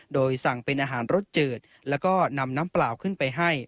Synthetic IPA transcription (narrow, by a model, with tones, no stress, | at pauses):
doː˧jsa˨˩ŋpe˧nʔaː˧ɦaː˩˦nɾo˦˥t̪̚t͡ɕɤː˨˩t̪̚ | lɛː˦˥wkɔː˥˩na˧mnaː˦˥mplaː˨˩wkʰɯ˥˩npa˧jɦa˥˩j